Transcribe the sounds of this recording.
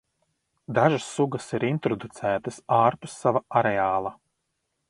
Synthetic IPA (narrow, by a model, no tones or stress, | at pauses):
d̪aʒasːuɡɐsiɾint̪ɾɔd̪ut̪sæːt̪ɐsaːɾpusːavaaɾɛaːlˠa